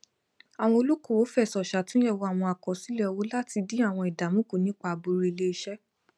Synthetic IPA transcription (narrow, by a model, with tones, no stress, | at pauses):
a˨w̃ɔ̃˧o˧lu˦ko˦˨wo˨˦fɛ˦˨sɔ˨ʃa˨tũ˦jɛ˦˨wo˨˦a˦˨w̃ɔ̃˧a˨kɔ˨si˨˦lɛ˦˨wo˨˦la˦ti˧dĩ˦a˦˨w̃ɔ̃˧i˨da˨mũ˦ku˦˨nĩ˨˦k͡pa˧˨bu˧ɾi˨˧le˧i˧ʃɛ˦